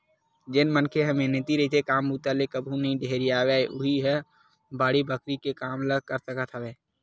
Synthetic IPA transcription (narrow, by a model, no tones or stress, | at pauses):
d͡ʒenmənkʰeɦəmenɪt̪iɾəit̪ʰekaːmbuːt̪alekəbʱũnəɦĩɖʱeːɾiaːwɛːʔʊɦiɦɛ | baːɽibəkɾikekaːmləkəɾsəkət̪ʰɦəbɛː